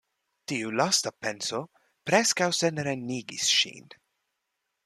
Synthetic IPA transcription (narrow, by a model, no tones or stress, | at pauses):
t̪iːulast̪apɛnso | pɾɛskawsenɾenːiːɡḭsʃḭːn